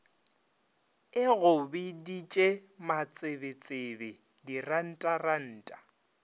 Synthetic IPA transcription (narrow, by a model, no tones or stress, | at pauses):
ɪɣʊbɪdit͡ʃʼemat͡sʼɪbet͡sʼebɪ | diran̩tʼaran̩ːtʼḁ